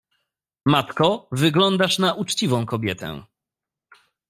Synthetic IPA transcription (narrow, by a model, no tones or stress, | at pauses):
mat̪kɔvɘɡlɔnd̪aʂnaʔut͡ʂt͡ɕivɔ̃w̃kɔbʲjɛt̪ɛ̰̃